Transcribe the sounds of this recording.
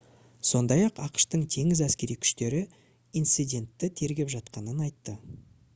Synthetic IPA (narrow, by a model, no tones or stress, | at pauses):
so̞nd̪ɑjɑqɑqə̥ʃt̪əɴt̪ʰe̞ŋɪzæskʲe̞ɾijkʲʰʏ̥ʃt̪e̞ɾɪ | ijnt̪sɨjd̪ʲe̞nt̪ːɪt̪ʰe̞ɾɡʲe̞pʒɑt̪̚qɑnənɑjt̪ːə